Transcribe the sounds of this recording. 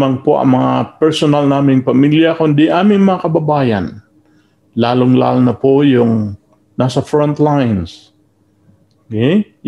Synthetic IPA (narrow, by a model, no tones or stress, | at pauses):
maŋpoʔɐ̰ŋmɐŋapɛɹsonalnaːmɪŋpɐmiljɐkond̪ɪʔaːmɪŋmɐŋakɐbɐbaːjɐn | laːlʊŋla̰lnɐpojʊŋ | nasɐfɹont̪lajns | okɛj